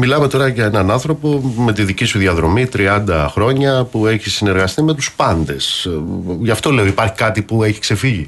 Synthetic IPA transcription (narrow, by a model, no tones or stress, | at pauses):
milɐme̞t̪o̞ɾɐʝɐe̞nɐnɐnθɾo̞po̞me̞t̪iðicisuðiɐðɾo̞mit̪ɾiɐnd̪ɐxɾo̞ɲɐpue̞çisine̞ɾɣɐst̪ime̞t̪uspɐnd̪e̞s | ʝɐft̪o̞le̞oipɐɾçi̥kɐt̪ipue̞çi̥kse̞fiʝi